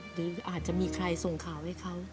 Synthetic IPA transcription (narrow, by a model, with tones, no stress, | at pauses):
ɾɯː˩˦ʔaː˨˩t̪̚t͡ɕa˨˩miː˧kʰɾa˧jso˨˩ŋkʰaː˩˦wha˥˩jkʰa˦˥w